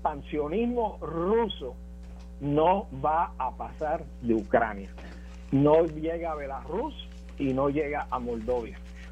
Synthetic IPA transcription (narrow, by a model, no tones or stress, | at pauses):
pansjo̞nizmo̞ruso̞ | noβaapasaɾ | d̪eukɾa̰nja | nojeɣaːβe̞larus | ino̞je̞ɣaʔamo̞ld̪o̞βja